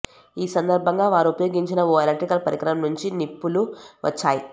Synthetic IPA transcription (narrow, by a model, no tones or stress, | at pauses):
iːsɐnd̪ɐɾbʱɐŋɡaːʋaːɾuupɐjoːɡiɲt͡ʃinɐʋoɐlɐʈɾikɐlpɐɾikɾɐmɐmnuɲt͡ʃinipːuluʋʔɐ̰t͡ʃːaːji